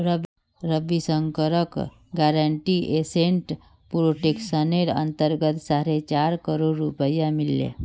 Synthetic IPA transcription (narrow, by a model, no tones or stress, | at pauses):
ɾəb | ɾəbisəŋkəɾək | ɡaɾəɳʈiʔeseɳʈ | puɾoʈeksəneɾə̰nt̪əɾɡət̪saɾet͡ʃaɾkəɾoɾːupəjamilːḛ